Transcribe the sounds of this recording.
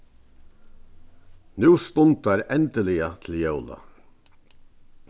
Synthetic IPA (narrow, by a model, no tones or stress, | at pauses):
nʉːst̪ʊnt̪æɾɛnt̪əlɪət̪ʰl̩jœʊla̰